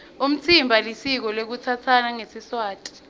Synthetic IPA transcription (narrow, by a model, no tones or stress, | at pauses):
um̩t͡sʰimbʱalisik̬ɔlek̬ut͡sʰat͡sʰanaŋesiswaːtʼi̥